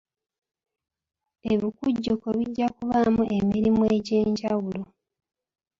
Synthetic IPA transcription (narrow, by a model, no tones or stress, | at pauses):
eβikuɟːokoβiɟːakuβamuʔe̞miɾimue̞ɟe̞ːɲɟawulo